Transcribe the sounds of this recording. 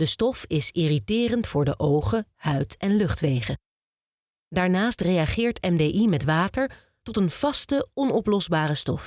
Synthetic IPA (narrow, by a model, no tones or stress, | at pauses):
dəstɔfɪsɪritɪːrəntfʊːɹdəʔowχəhœɥtɛnlɵχtʋejχə | daːɹnaːstrejaχɪːɹtɛmdeːʔimɛtʋaːtəɹ | tɔtənv̥ɑstəɔnɔplɔzbaːrəstɔf